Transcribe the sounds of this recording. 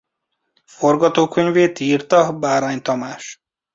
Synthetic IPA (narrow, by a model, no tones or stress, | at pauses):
foɾɡɒt̪oːkʰøɲveːt̪iːɾt̪ɒɦbaɾaɲt̪ɒmaːʃ